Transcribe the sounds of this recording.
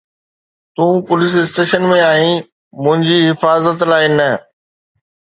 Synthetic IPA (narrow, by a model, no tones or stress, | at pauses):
t̪ũːpʊlɪs̬ɪsʈeːʃənmẽaːɦĩ | mʊ̃ɦɪ̃ɲd͡ʑiɦɪfaːzət̪laːɪnɐ